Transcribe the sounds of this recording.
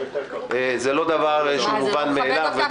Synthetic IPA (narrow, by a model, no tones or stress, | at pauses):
zelo̞d̪avaʁʃlemuvanmeːlavve